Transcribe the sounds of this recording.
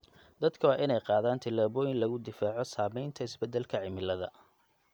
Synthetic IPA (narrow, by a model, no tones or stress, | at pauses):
d̪̥ɐd̪kʰɐwaːʔɪnɛjqɑːðaːnt̪ʰɐlaːβɔːjɪnlɐɣʊd̪ɪfaːʕɔsaːmɛjnt̪ʰɐɪsbɛd̪ɛlkʰɐʕɪmɪlɐðɐ̰